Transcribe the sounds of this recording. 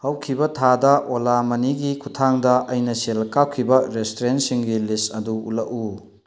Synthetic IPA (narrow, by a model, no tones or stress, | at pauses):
hɐwkʰibɐtʰadɐʔolamɐniɡikʰutʰaŋdɐʔɐjnɐselkak̚kʰːibɐɾestoɾensiŋɡilistɐduṵlɐku